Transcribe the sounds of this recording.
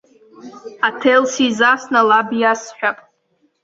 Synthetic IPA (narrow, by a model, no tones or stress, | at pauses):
atʰejlsizasnalabjasħʷᶣapʼ